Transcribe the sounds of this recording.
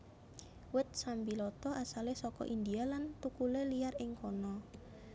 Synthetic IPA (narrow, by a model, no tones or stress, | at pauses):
wɪt̪̚sambilɔt̪ɔʔasalehsɔkɔ̰ʔind̪ialant̪ukuleliarɪŋkɔnɔ